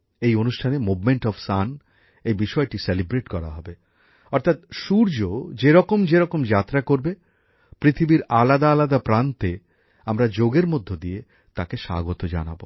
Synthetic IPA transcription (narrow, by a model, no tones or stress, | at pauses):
ejonuʃʈʰanemubmeɳʈɔfsan | ejbiʃɔeʈiselibɾeʈkɔɾa̰ɦɔbe | ɔɾt̪ʰat̪̚ʃuɾd͡ʑod͡ʑeɾɔkomd͡ʑeɾɔkomd͡ʑat̪ɾakoɾbe | pɾit̪ʰibiɾalad̪aːlad̪apɾant̪e | amɾad͡ʑoɡeɾmod̪ʱːod̪ie | t̪akeʃa̰ɡot̪od͡ʑa̰na̰bo